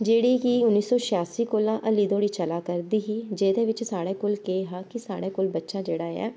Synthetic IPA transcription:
d͡ʒeːɽiːkiːʊnːiːsɔːʃaːsiːkoːlãːʔəliːd̪õːɽiːt͡ʃəlaːkəɾd̪iːɦiːd͡ʒeːd̪ẽːʋɪt͡ʃsaːɽeːkolkeːɦaːkisaːɽeːkoːlbətːʃaːd͡ʒeːɽaːɛ̰ː

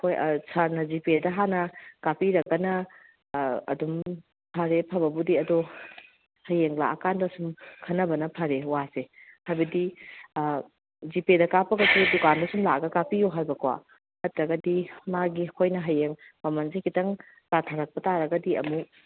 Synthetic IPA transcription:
kʰojsʰaɾnɐzipedɐɦanɐkapiɾɐkːɐnɐ | dum | pʰɐɾepʰɐbɐbudiɐdo | hɐjeŋla̰ʔɐkandɐsumkʰɐnːɐbɐnɐpʰɐɾewasehajbɐdi | zipedɐkapɐɡɐsʰudukandɐsumlaɡɐkapijoɦajbɐkʰwa̰ | hɐtɾɐɡɐdimaɡiɐkʰojnɐɦɐjeŋ | mɐmɐnzekʰitɐŋ | tatʰaɾɐk̚pɐtaɾɐɡɐdiɐ̰mu

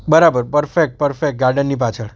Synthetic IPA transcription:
bəɾabəɾpəɾfek̚ʈ̚pəɾfek̚ʈ̚ɡaɾɖənːip̬at͡ʃʰəɽ

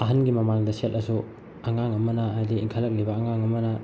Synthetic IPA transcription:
ɐɦɐnɡimɐmaŋdɐsetɐsu | ɐŋaŋɐmɐnɐajdiiŋkʰalːɐk̚libɐːŋaŋɐmɐnɐ

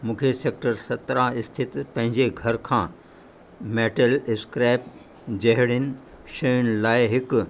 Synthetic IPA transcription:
mũːkʰeseːk̚ʈəɾsɐt̪ɾãɪst̪ʰɪt̪pɐ̃ɦɪ̃ɲd͡ʑeɡʱɐɾkʰãː | meːʈəlɪskɾaːɪp̚ | d͡ʑɐɦɪɽɪnɪ̆ | ʃɐjʊnɪ̆laːeɦɪk

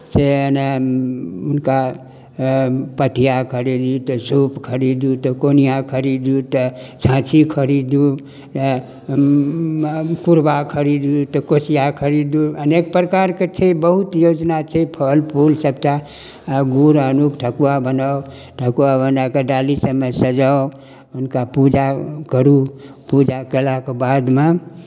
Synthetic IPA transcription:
sene | unka | pət̪ijakʰəɾid̪ut̪ɔsupkʰəɾid̪ut̪ɔkonijakʰəɾid̪ut̪əsʰãt͡ʃʰikʰəɾid̪u | kuɾbakʰəɾid̪ut̪ɔkosijakʰəɾid̪uənek̚pɾəkaɾket͡ʃʰɛbəɦut̪jod͡ʒnat͡ʃʰɛpʰəlpʰulsəbt͡ʃa | ɡuɾənukʈʰəkuabənao | ʈʰəkuabənakeɖalisəbmesəd͡ʒao | unkapud͡ʒakəɾu | pud͡ʒakelakebad̪me

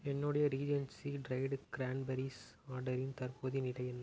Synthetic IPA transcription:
ɛnːɯɽɐjɐɾiːd͡ʒɐnsiɖɾɐɪɖɡ̥ɾaːɳɖbɐɾis | aːɖɐɾɪnt̪ɐɾpoːðinɪɽɐjɛnːɐ

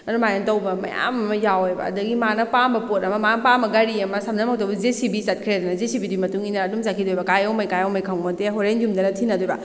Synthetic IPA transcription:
ɐdumajentɐwbɐmɐ̰ja̰mɐmɐjawjbɐ̰ɐ̰dɐɡimanɐpambɐpotɐmɐmanɐpambɐɡɐɾiɐmɐsɐmnɐmɐk̚tɐwbɐzesibisɐt̚kʰɾedɐnɐzesibidimɐtuŋinɐːdumsakʰidojbɐkajɐwmɐjkajawmɐjkʰaŋmɐteɦoɾenjumdɐnɐtʰinɐdujbɐ

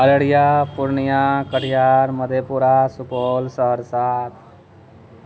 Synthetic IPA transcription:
ɐləɽɪjapʊɾnijakəʈjaːɾməd̪ʱepuɾasʊkoːlsəɦəɾsaːt̪ʰ

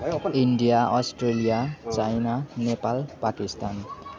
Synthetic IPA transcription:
inɖijaʔʌsʈrelijat͡sajnanepalpakist̪an

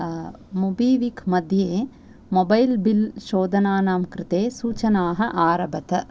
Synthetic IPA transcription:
mubiːʋikmɐd̪ʱjeː | mobɐjlbilʃoːd̪ʱɐnaːnaːmkɾɪt̪eːsuːt͡ʃɐnaːɦɐ̆ʔaːɾɐbɐt̪ɐ

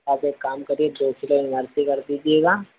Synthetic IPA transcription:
aːpeːkːaːmkɐɾieʈoːt͡ʃlenəɾt̪ikɐɾd̪iːd͡ʒieːɡaː

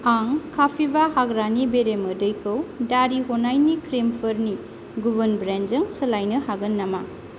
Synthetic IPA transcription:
aŋkʰapʰibahaɡɾanibeɾemɯdɯjkʰɯwdaɾiɦonajnikʰɾempʰɐɾni | ɡubɐnbɾend͡ʒɯŋsɯlajnɯhaɡɐnːama

